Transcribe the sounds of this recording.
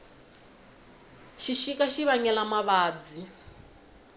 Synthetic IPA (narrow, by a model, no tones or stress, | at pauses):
ʃiʃikaʃiβaɲɛlamaβaːd͡zi